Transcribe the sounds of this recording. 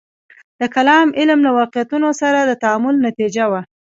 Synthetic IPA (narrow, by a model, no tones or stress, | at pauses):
d̪̥əkalɑmɪlmlawɑqɪjat̪unosaɾad̪ət̪aamʊlnat̪id͡ʒawa